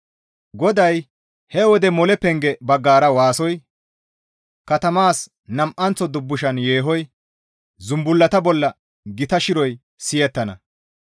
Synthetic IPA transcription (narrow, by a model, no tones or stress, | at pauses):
ɡɔd̪ɐj | hɛwɔd̪ɛmɔlɛpɛŋɡɛbɐɡːaːɾɐwaːsɔj | kɐt̪ɐmaːs | nɐmʔɐnt͡sɔd̪ʊbːʊʃɐnje̞ːɦɔj | zʊmbʊlːɐt̪ɐbɔlːɐ | ɡɪt̪ɐʃɪɾɔj | sɪjɛt̪ːɐnɐ